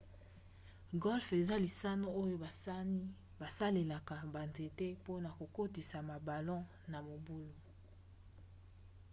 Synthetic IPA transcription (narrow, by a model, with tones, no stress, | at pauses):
ɡɔ˦lfe˨za˦li˨sa˦no˦o˦jo˦a˨˦ | ba˨sa˦le˨la˨ka˨ba˨nze˨te˦po˦na˨ko˨ko˦ti˨sa˨ma˨ba˨lɔ̃˦ | na˨mo˨bu˦lo˦